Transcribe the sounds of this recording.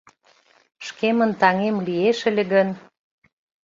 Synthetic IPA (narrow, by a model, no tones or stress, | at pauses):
ʃkemənt̪ɑŋemlieʃə̆lʲĕɣən